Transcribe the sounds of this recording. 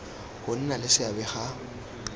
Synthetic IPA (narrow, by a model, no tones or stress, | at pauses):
hʊn̩nalɪsɪabɛχa